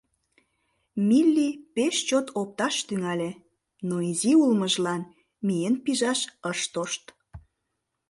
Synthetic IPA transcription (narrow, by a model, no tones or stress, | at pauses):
milʲːipeʃt͡ɕot̪op̚t̪ɑʃt̪yŋɑlʲe | noiziulməʒlɑn | mijenpiʒɑʃəʃt̪oʃt̪